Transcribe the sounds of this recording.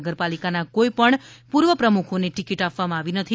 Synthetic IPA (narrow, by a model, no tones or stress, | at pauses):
ɡəɾpalikanakoipəɳpuɾʋəpɾəmukʰoneʈikiʈapʋamãaʋinət̪ʰi